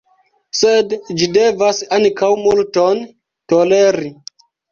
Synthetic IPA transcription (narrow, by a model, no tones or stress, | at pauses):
sedd͡ʒidevasaŋkʰawmulton | toleɾi